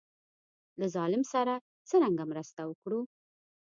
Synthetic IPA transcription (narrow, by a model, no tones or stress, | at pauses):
lazɑlɪmsaɾa | t͡səɾaŋɡamɾəst̪awəkɽu